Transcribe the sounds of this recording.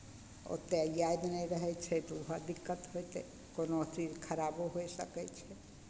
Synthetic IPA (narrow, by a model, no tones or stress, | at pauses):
o̰t̪ajajd̪najɾəɦet͡ʃʰet̪uɦad̪ikːət̪ɦojt̪ʰe | konot̪iɾkʰəɾaboɦoeʃə̰ket͡ʃʰe